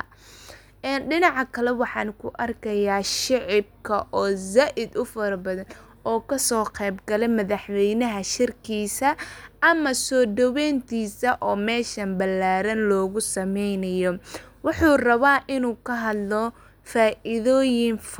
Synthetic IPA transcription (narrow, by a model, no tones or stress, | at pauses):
ɛːnɖɪnɑʕɑkʰɐlɛwɑħɑːnkʰʊʔɐrkʰɐjaːʃɪʕɪb̚kʰɐʔɔːzaːʔɪd̪ʊfɐɾɐbɐðɐn | ɔːkʰɐsɔːqɛːbɡɐlɛmɐðɐħwɛjnɐɦɐʃɪrkʰiːsɐʔɐmɐsɔːd̪ɐwɛːnt̪ʰiːsɐʔɔːmɛːʃɐmbɐlːaːɾɐnlɔːɣʊsɐmɛjnɐjɔwʊħuːrɐβaːʔɪnuːkʰɐɦɐd̪lɔ | faːʔɪðɔːjɪnf